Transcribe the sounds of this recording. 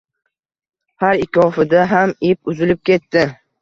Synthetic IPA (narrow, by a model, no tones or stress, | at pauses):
haɾɪkʰɒfɪd̪aɦamip̚ʊzɪlɪp̚kʲʰe̞t̪ːɪ